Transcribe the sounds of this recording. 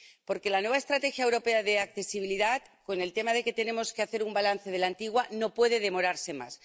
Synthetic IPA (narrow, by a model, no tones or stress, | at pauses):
po̞ɾke̞lanwe̞βaest̪ɾat̪e̞xjaewɾo̞pe̞aðe̞ak̚θe̞siβ̞iliðat̪ko̞ne̞lt̪e̞maðe̞ke̞t̪e̞ne̞mo̞ske̞aθe̞ɾumbalanθe̞ð̞e̞lant̪iɣwano̞pwe̞ðe̞ð̞e̞mo̞ɾaɾse̞ma̰s